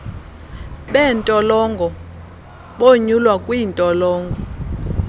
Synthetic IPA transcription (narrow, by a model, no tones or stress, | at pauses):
ɓɛntʼɔlɔŋɡʱɔ | ɓoɲulwakʼwintʼɔlɔːŋɡʱɔ